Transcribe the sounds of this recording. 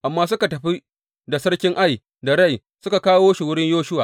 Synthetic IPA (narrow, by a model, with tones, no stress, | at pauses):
ʔa˨mːaː˦s̬ʊ˦ka˨tɐ˨ɸi˦ | da˨sɐ˦ɽkʲɪ˦ŋʔa˦˨j | da˨ɽɐ˦˨j | sʊ˦ka˨kaː˦woː˦ʃi˨wʊ˦ɽɪ˦ɲjoː˦ʃʊ˦waː˨